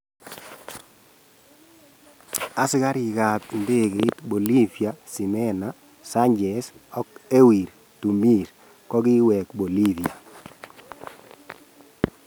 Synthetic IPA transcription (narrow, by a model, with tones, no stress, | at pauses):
a˦sɪ˦ka˦ɾi˨ka˨t̪i˨nde˦ke˨i˦t̪bo˨li˦vi˨a˨si˨mɛ˦na | sa˦ɲd͡ʒɛ˨sɔ˦ke˦wi˨ɾ | tu˨mi˦˨ɾ | kɔ˦kɪ˦wɛ˨kbo˨li˦vi˨a˨